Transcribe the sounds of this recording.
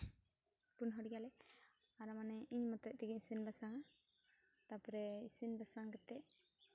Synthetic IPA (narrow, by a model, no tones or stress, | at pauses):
punɦɔɽiɡalɛ | aɾamanɛiɲmɔt̪ɔʔ̚t̪iɡiɲisinbasaŋa | t̪apɔɾɛisinbasaŋɡɛt̪ɛʔ